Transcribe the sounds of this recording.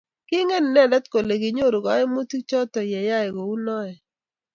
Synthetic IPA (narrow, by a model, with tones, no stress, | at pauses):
kɪ˦ŋe˦n˨nɛ˦˨dɛ˦t̪ko˨le˨ɡɪ˨ɲo˦˨ɾo˨ɡɔ˨˦ɛ˦mo˦ti˦t͡ʃɔ˦tɔ˨jɛ˨ja˦ɛ˨ɡo˨u˦nɔ˦ɛ˨